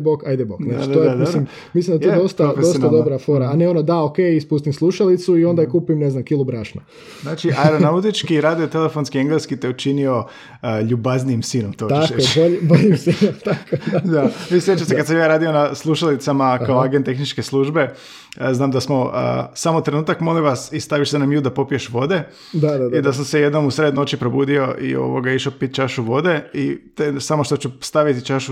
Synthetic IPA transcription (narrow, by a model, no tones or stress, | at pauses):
bokajd̪ebok̪naat͡ʃt̪ojed̪slim | mislimnd̪et̪odost̪adost̪ad̪obɾafoɾaaneo̞nod̪aokejispust̪imslˠuʃalit̪suio̞nd̪aikupimneznamkilˠubɾaʃno̰ | znaːt͡ʃiʔaɛɾonnaut̪it͡ʃkkiɾaːd̪iot̪elefonskieŋɡleskit̪eut͡ʃinio̞ | ʎubaznijimsiːnomt̪oaoboʎiboʎimsinomt̪akoad̪aisɾet͡ʃamsekad̪samjaːɾaːd̪io̞naslˠuʃalit̪samakkaoaɡent̪exnit͡ʃkeslˠuːʒbe̞ | znaːmd̪asmo̞ə̰samot̪ɾe̞nuːt̪akmo̞liʋasist̪aʋiʃsenamjud̪apo̞pijeʃʋo̞d̪e̞ | d̪ad̪aid̪as̬amsejed̪no̞musɾed̪no̞t͡ʃipɾobuːd̪io̞ʔḭo̰ʋoɡaiʃopit̪̚t͡ʃaʃuʋo̞d̪e̞it̪esamo̞ʃt̪ot͡ɕust̪aʋit̪it͡ʃaʃu